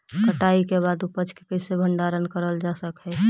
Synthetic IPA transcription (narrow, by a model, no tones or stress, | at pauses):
kəʈaːikeβaːd̪upət͡ʃkekəɪsebʱə̃ɳɖaːɾənkəɾəld͡ʒaːsəkɦɛ